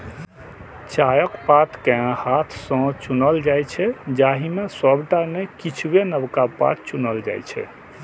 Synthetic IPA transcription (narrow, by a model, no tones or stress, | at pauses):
t͡ʃajəkpat̪ʰkɛãhat̪ʰsə̃t͡ʃunəld͡ʒajt͡ʃʰɛd͡ʒaɦimesəbʈanekit͡ʃʰbenəbkapa̰t̪̚ʰt͡ʃunəld͡ʒa̰jt͡ʃʰɛ̰